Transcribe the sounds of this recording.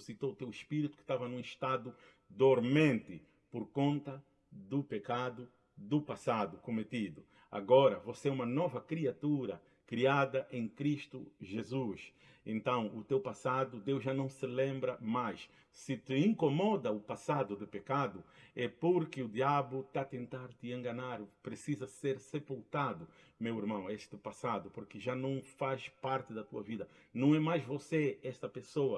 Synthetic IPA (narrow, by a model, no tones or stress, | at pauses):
usit̪out̪ewiʃpiɾit̪u̥kɪ̥ʃt̪avɐnũiʃt̪ad̪u | d̪oɾmẽnt̪ɪ | poɾkõnt̪ɐ | d̪ʊpekad̪ʊ | d̪upasad̪ukomet̪id̪u | a̰ɡɔɾɐvosɛũmɐnɔvɐkɾiat̪uɾɐ | kɾiad̪ɐʔẽj̃kɾiʃt̪uʒezuʃ | ḛ̃nt̪ɐ̃w̃ut̪ewpasad̪ud̪ewʒʒanɐ̃w̃sɪlẽmbɾɐmajʃ | sɪt̪ɪĩŋkomɔd̪ɐʊpasad̪ʊd̪ɪpekad̪ʊɛpoɾkɪud̪iabʊt̪at̪ẽnt̪aɾt̪ɪẽŋɡɐnaɾpɾesizɐseɾsepulˠt̪ad̪ʊ | mewiɾmɐ̃w̃eʃt̪ɪpasad̪ʊpoɾkɪʒanɐ̃w̃faʃpaɾt̪ɪd̪ɐt̪uɐvid̪ɐnɐ̃w̃ɛmajzvoseɛʃt̪ɐpesoɐ